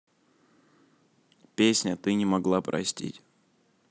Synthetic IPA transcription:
pʲesʲnʲət̪ɨnʲɪmɐɡlˠapɾʔɐ̰sʲtʲḭtʲ

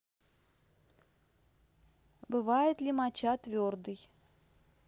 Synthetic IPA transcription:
bɨvajɪt̪lʲimat͡ɕat̪vʲord̪ɨj

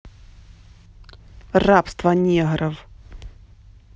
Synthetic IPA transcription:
rapst̪vɐnʲɛɣɾɐv

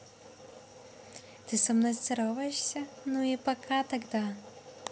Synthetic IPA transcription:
t̪ɨsɐmnɔjst̪sɛɾɔvɐjɛʂsʲɐnuipɐkʰat̪ɐɡd̪a

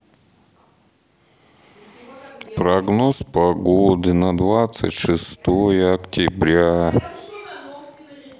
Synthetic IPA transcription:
pɾɐɡnospɐɡod̪ɨnɐd̪vat̪sɨ̰tʲʂɨst̪ojəɐktʲɪbɾʲa

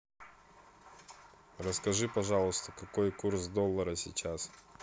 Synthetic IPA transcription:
rəskɐʐɨpɐʐɑlˠəst̪əkɐkojkursd̪olˠːəɾəsʲɪ̰t͡ɕas

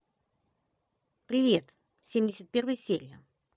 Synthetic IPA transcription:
pɾʲɪvʲet̪ | sʲemʲdʲɪsʲət̪̚pʲervɨjsʲelʲːə

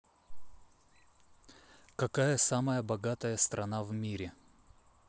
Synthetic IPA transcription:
kɐkajəsaməjəbɐɡat̪əjəst̪ɾʔɐnavmʲiɾʲɪ

